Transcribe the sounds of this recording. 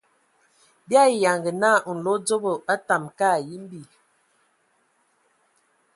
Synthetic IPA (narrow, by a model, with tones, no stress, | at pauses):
bja˦˨ja˨ŋɡə˨na˦˨n̩˨lo˨˦d͡zo˦bo˨a˦ta˨mka˦˨ji˦m̩˦bi˦˨